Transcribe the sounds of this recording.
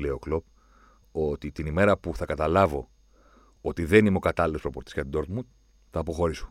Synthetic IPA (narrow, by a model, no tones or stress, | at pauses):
leo̞klop | o̞t̪it̪inime̞ɾɐpuθɐkɐt̪ɐlɐvo̞ | o̞t̪iðe̞nimeo̞kɐt̪ɐlilopɾo̞po̞ɾt̪isʝɐt̪id̪o̞ɾt̪mu | θɐːpo̞xo̞ɾiso̥